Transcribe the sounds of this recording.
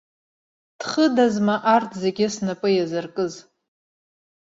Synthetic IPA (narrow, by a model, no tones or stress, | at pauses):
d̥χədazmaʔartʰzeɡʲɪsnapʼɨjazarkʼɨz